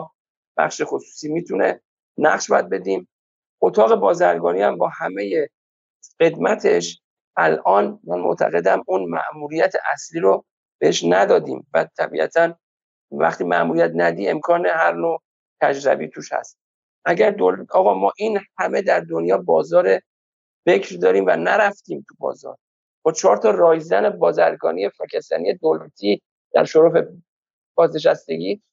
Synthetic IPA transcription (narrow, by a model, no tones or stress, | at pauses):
b̥æ̰χʃe̞xosu̥ːsiːmiːt̪ʰune̞̰ | næ̰χʃbɒːjæd̪̚be̞d̪iːm | ʔot̪ʰɒːɣe̞bɒːzæɾɡɒːniːhæmbɒːhæme̞je | ɢe̞d̪mæt̪ʰe̞ʃ | ʔælɒːnmænmo̰ʔt̪ʰæ̰ɣe̞d̪æmunmæ̰ʔmuːɾijæt̪ʰeʔæsliːɾo | b̥eeʃnæd̪ɒːd̪ḭːmvæt̪ʰæbḭːʔæ̰t̪ʰæn | væ̰χt̪ʰiːmæ̰ʔmuɾijæt̪næd̪ie̞mkʰɒːne̞hæɾnoː | t̪ʰæd͡ʒɾæ̰bḭt̪ʰuʃhæ̰st̪ | ʔæɟæɾd̪olɒːɣɒːmɒːʔiːnhæme̞d̪æɾd̪onjɒːbɒ̰ːzɒːɾe̞ | fe̞cʰɾd̪ɒːɾiːmvæ̰næɾæft̪iːmt̪ʰubɒ̰ːzɒ̰ːɾ | b̥ɒːt͡ʃʰɒːɾt̪ʰɒːrɒːjzæne̞bɒːzæɾɡɒ̰ːnije̞fecʰest̪æ̰nije̞d̪olæt̪ʰiː | d̪̥æ̰ɾʃoɾofe̞ | b̥ɒːzneʃ̬æst̪e̞ɟiː